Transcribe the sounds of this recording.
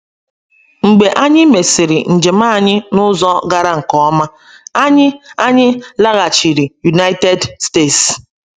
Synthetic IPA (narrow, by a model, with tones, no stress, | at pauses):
ŋ͡m̩˨ɡ͡be˨ʔa˦ɲɪ˦me˨si˨ɾi˨n̩˨d͡ʒe˨ma˦˨ɲɪ˦nʊ˦zɔ˦ɡa˦ɾa˦ŋ̩˨kɔ˨˦ma˦ | a˦ɲɪ˦a˦ɲɪ˦la˦ɣa˨t͡ʃi˨ɾi˨ju˨na˦ɪ˦te˦dste˦˨ts